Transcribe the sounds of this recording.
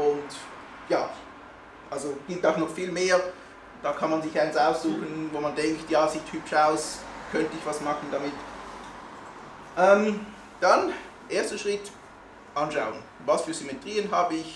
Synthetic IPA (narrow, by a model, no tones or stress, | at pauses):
ʔʊnt | jaː | ʔalzoɡ̥ɪp̚taʊxnɔχfiːlmeːɐ | d̥aːkʰɑnmanzɪçaɪnsaʊsz̥uːxənvoːmandɛŋktjaːz̥iːthypʃaʊskʰœntəɪçvɑsmɑχn̩damɪt | ʔɛm | d̥an | ʔeːɐstəʃʁ̥ɪt | ʔɑnʃaʊən | vasfyːɐsymetʁ̥iːənɦaːbəɪç